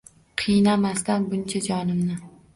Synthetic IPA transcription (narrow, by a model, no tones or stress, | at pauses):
qʰɨjnamast̪anbʊnt͡ʃʰad͡ʒɒnɪmnɪ